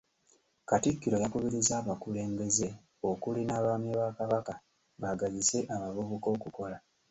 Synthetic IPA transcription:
katikːiɾo̞jakuβiɾizaːβakule̞ːmbe̞ze̞ | o̞kulinaβaːmjeβakaβaka | βaɡazise̞ʔamavuβuko̞ːkuko̞la

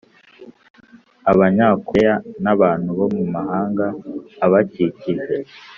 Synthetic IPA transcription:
aβaɲaːkʰejanaβaːn̥huβo̞mumahaːŋɡaːβaciciʒe̞

